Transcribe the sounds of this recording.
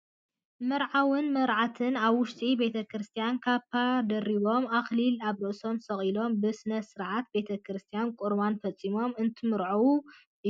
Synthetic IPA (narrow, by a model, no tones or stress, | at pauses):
mɐɾʕawɨnmɐɾʕat̪ʰɨnaβwʊʃt̪ʼibe̞t̪ʰɐkɾɨst̪ʰijankʰaβpʰad̪ɐriβo̞maxlilaβɾɨʔso̞msɐχʼilo̞mbɨsɨnɐsɨɾʕat̪̚be̞t̪ʰɐkɾɨst̪ʰijankʼuɾβanfɐt͡sʼːimo̞mɨnt̪ʰɨmɨɾʕuwu